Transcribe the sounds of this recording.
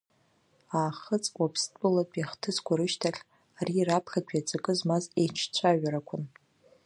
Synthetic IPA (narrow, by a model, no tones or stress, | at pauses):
aːχət͡sʼwapʰstʼɨlapʼjaχtʰɨzkʷʰʼaɾɨʃtʰaχʲ | arirapʰχʲakʷʰᶣjat͡sʼakʼɨzmazet͡ʃʰt͡ɕʷʰaɥaɾakʷʰʊn